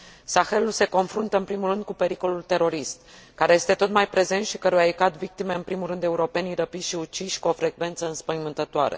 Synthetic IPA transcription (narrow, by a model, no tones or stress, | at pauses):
saxe̞lulse̞ko̞nfɾunt̪əɨmpɾimulrɨnd̪̚kupe̞ɾiko̞lult̪e̞ɾo̞ɾist̪kaɾeje̞st̪e̞t̪o̞t̪majpɾe̞ze̞nt̪ʃikəɾujaekat̪vik̚t̪ime̞ɨnpɾimulɾɨnd̪e̞uɾo̞pe̞niɾəpiʃiut͡ʃiʃkuo̞fɾe̞ɡve̞nt̪səɨnspəjmɨnt̪ət̪oaɾḛ